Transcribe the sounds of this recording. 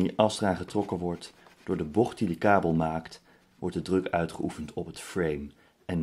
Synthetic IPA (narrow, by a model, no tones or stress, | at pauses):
iʔɑsraːχətrɔkəʋɔɹtd̥ʊːɹdəbɔχt̚didəkaːbəlˠmaːkt | ʋɔɹt̚dədrɵkœɥtχəʔufəntɔpətfrejm | ɛn